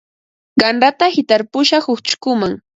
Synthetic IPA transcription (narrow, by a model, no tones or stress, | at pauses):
ɢɑnɾat̪ahɪt̪aɾpʊʃahʊkt͡ʃʊ̥kʊmaŋ